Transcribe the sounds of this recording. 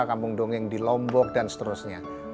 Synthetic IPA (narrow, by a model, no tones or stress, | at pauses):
kampʊŋdoŋɪŋdilɔmbɔk̚dansə̥t̪əɾʊsɲa